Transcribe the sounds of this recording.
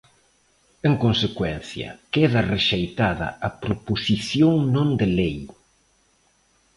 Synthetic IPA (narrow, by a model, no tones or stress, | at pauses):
eŋkonsekwɛn̟θjɐ̰keðɐreʃejt̪aðɐ̰ʔɐpɾoposiθjoŋnõnd̪elej